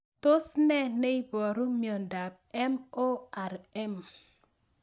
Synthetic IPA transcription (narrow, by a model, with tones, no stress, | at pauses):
t̪o˦snɛ˦ne˦i˦bɔ˨ɾu˦mijɔ˨nda˨b̚ | ɛ˦mo˦ɛ˨ɾɛ˦m